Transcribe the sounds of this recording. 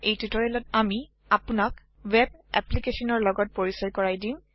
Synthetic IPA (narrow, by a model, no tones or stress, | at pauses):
ejtitɔɹilɔtami | apunak | web̚ɛ̰plikesɔnɔɹlɔɡɔt̚poɹisɔɹkɔɹajdim